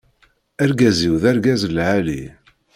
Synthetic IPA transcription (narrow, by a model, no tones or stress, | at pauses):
æɾɡæziwðæɾɡæzəlʕalḭ